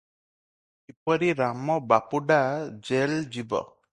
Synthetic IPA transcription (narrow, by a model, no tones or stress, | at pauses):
ipɔɾiɾamɔbapuɖad͡ʒeld͡ʒibɔ̰